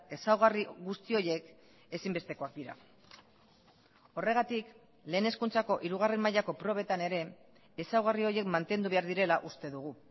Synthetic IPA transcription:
e̞sawɣariɣust̪io̞je̞k | e̞simbe̞st̪e̞ko̞ak̚d̪iɾa̰ | o̞re̞ɣ̞at̪ik | le̞ːne̞skunt͡sako̞ʔiɾuɣ̞are̞mmajako̞pɾo̞β̞e̞t̪ane̞ɾe̞ː | sawɣario̞je̞kmant̪e̞nd̪uβe̞aɾðiɾe̞laʔust̪e̞ðuɣ̞u

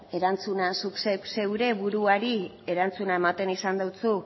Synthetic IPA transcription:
e̞ɾant͡sunansuksese̞wɾe̞βuɾuaɾi | e̞ɾant͡sunae̞mat̪e̞nisand̪awt͡su

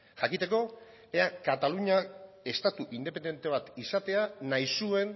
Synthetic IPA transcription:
ʝakit̪e̞ko̞ | eakat̪aluɲa | e̞st̪at̪uʔind̪e̞p̬e̞nd̪e̞nt̪e̞β̞at̪isat̪e̞anajsue̞n

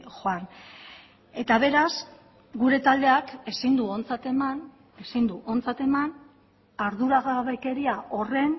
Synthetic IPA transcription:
xoan | e̞t̪aβ̞e̞ɾaz | ɡuɾe̞t̪ald̪e̞ake̞sind̪uo̞nt͡sat̪eman | e̞sind̪uʔo̞nt͡sat̪e̞man | aɾðuɾaɣaβeke̞ɾiaʔo̞re̞n

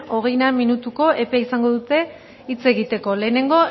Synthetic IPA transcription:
o̞ɣe̞jnaminut̪uko̞ʔe̞peisaŋɡo̞ðut̪e̞ | it͡se̞ɣit̪e̞ko̞le̞ːne̞ŋɡo̞

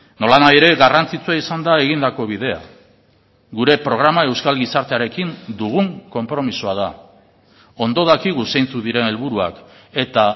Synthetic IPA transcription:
no̞lanaje̞ɾe̞ɣarant͡sit͡suaisand̪ae̞ɣ̞ind̪ako̞βiðe̞a̰ | ɡuɾe̞pɾo̞ɣ̞ɾamae̞wskalɣisaɾt̪e̞aɾe̞kind̪uɣuŋko̞mpɾo̞misuaða | o̞nd̪o̞ð̞akiɣuse̞jnt͡suðiɾe̞ne̞lβuɾua̰ke̞t̪a

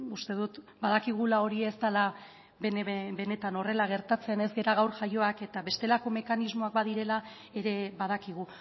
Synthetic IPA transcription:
ust̪e̞ð̞ut̪ | baðakiɣ̞ulao̞ɾiest̪ala | bebe̞ne̞t̪ano̞re̞laɣ̞e̞ɾt̪at͡sene̞zɡe̞ɾaɣ̞awɾʝajo̞ake̞t̪aβe̞st̪e̞lako̞me̞kanizmo̞ak̚baðiɾe̞la | e̞ɾe̞βaðakiɣ̞u

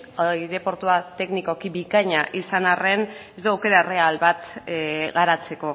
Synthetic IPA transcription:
ojðe̞po̞ɾt̪uat̪e̞kniko̞kibikaɲaʔisanare̞nezd̪uawke̞ɾare̞alβat̪ɣaɾat͡se̞ko̞

